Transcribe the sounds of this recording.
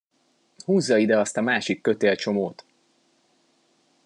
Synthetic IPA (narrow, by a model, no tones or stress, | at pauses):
huːzːɒid̪ɛɒst̪ɒmaːʃikːø̞t̪eːlt͡ʃo̞moːt̪